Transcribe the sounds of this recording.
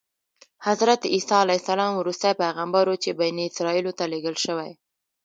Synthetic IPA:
hazɾat̪isɑalajsalɑmwɾust̪ajpaɣambaɾwot͡ʃebajniɪsɾɑilot̪aleɡəlʃəwaj

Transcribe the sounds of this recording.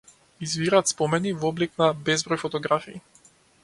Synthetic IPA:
izviɾat̪spɔmɛnivɔbliknabɛzbɾɔjfɔt̪ɔɡɾafḭː

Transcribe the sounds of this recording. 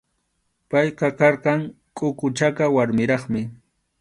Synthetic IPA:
pɑjqɑkɑɾqɑŋ | kʼʊkʊt͡ʃakawaɾmɪɾɑχmɪ

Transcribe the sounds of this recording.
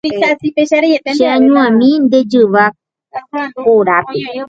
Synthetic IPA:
ikasipeʃaɾeet̪t͡ʃeãɲũãmĩnd̪ed͡ʒɨʋa | oɾape

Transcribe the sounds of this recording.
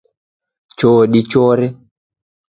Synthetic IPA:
t͡ʃɔːɗit͡ʃɔɾɛ

